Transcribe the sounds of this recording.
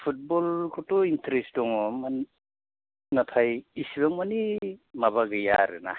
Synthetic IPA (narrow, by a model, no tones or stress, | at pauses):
pʰut̚bɔlkʰɔtointɾesdɔŋɔman | natʰajːsiβaŋmanimaβaɡɯja̰ɾɯ̰na̰